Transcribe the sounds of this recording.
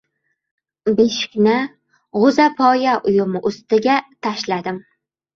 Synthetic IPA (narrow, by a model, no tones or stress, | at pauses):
beʃɪ̥kʲnɪ | ʁʊzapʰɒjaʔʊjʊmɪʔʊst̪ɪɡʲat̪ʰaʃlad̪ɪm